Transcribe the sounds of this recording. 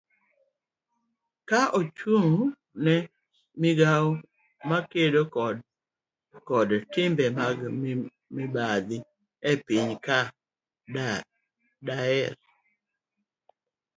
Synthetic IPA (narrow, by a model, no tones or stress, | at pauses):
kaʔot͡ʃuŋ | nɛ | mɪɡaw | makedokɔd | kɔdtɪmbɛmaɡ | mibad̪ɪ | ɛpiɲka | daɛɾ